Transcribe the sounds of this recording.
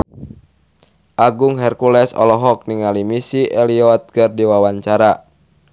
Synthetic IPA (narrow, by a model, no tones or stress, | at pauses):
ʔaɡuŋɦɛrkulɛsɔ̰lɔɦɔk̚niŋalimisiʔɛliɔt̪̚ɡərdiwawaɲt͡ʃaɾa